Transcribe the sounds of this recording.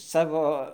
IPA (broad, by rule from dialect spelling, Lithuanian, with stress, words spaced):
ˈsɑːʋoː